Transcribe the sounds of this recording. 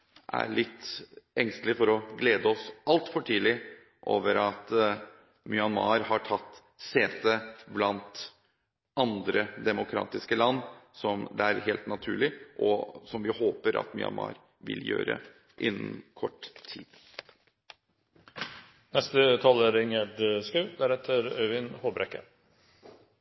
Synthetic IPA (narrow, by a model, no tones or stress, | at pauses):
ʔæ̰ɭɪt̪ːɛŋst̪lɪfɔɾɔɡleːd̪əɔsɑlt̪fɔʈʰiːlɪ | ʔoːʋəɾɑt̪ | mʏɑnmɑ̰ːɾhɑʈʰɑt̪ː | seːt̪əblɑnt̪ | ɑnd̪ɾəd̪ɛmʊkʰɾɑ̰ːt̪ɪskəlɑnːsɔmd̪ɛæɾheːlt̪nɑt̪ʰʉːɭɪʔɔsɔmʋɪhoːpəɾʔɑ̰t̪mʏ̰ɑ̰nmɑ̰ːɾ | ʋɪ̰ljø̰ːɾə̰ | ʔɪnːnkʰɔʈːt̪ʰiːd̪̥ | nɛst̪ət̪ʰɑːləɾɪŋəɖəskʉʉd̪æɾhɛt̪ʰəɾœʏʋɪnhoːbɾɛkːə̰